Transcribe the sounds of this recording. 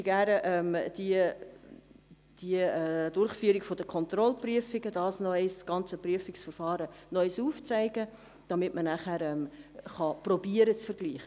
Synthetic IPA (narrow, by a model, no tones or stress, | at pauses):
ɡæɾəʔɛmd̥i | d̥iɛdʊrχfyːəɾɪɡfod̥əkʰɔnt̪rɔlpryəfɪɡəd̥ɑːsnɔɛɪsɡ̥ɑnt͡səpryəfɪksfəɾfɑːɾənœʏsuːft͡sæɪɡə | d̥ɑmɪtmənæχæːɾɛmχɑprɔbiəɾət͡sfərɡliːχə